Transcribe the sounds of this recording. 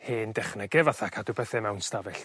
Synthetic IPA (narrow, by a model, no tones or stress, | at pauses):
heːndɛχnɛɡɛvaθakʰadubɛθɛmɛwnstavɛɬ